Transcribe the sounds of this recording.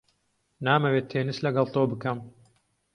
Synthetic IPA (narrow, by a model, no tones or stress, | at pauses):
naːmɐwet̪ʰːeːnɨslɐɡɐlˠt̪oːbɨkɐm